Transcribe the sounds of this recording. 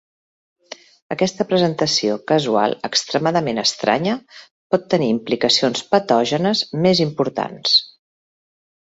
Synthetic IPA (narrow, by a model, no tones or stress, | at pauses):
əkɛst̪əpɾəzənt̪əsiokəzua̰lˠəkst̪ɾəmaðəmenəst̪ɾa̰ɲə | pɔt̪ːəniːmplikəsionspət̪ɔʒənəzmezimpuɾt̪a̰ns